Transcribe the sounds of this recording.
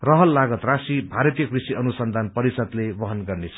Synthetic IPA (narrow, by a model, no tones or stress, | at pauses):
rʌɦʌlːaɡʌt̪rasibʱaɾʌt̪ijʌkrisiʌnusʌnd̪ʱanpʌɾisʌt̪lebʌɦʌnɡʌrneʌ̥